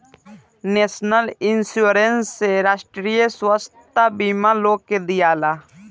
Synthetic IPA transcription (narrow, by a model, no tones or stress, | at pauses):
neːsnəlɪnsjuɾenseɾaːʃʈɾijəswəst̪abiːmaloːɡ̚ked̪ɪjaːlaː